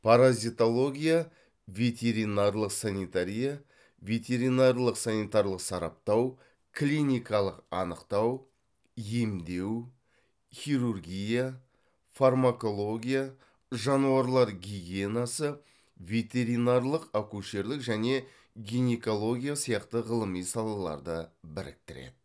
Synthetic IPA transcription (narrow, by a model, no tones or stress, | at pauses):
pʰaɾazʲit̪o̞lˠo̞ɡʲija | vʲe̞t̪ʲe̞ɾinarlˠəqsanijt̪aɾʲija | ve̞t̪e̞ɾijnaɾlˠəqsanijt̪arlˠəqsɑɾɑ̰p̚t̪ɑw | kʰlʲinijkɑlˠəqɑ̰nəqt̪ɑw | je̞md̪e̞w | χʲiɾurɡʲija | farmako̞lˠo̞ɡʲija | ʒɑnuɑɾlˠɑɾɡʲiɡʲe̞nasə | ve̞t̪ʲe̞ɾinarlˠəqakuʃe̞ɾlɪkʒæne̞ | ɡʲijneko̞lˠo̞ɡʲijasijɑqt̪əʁəlˠəmijsɑlˠɑlˠɑ̰ɾd̪əbɪɾɪ̰k̚t̪ɪɾḛd̪ɪ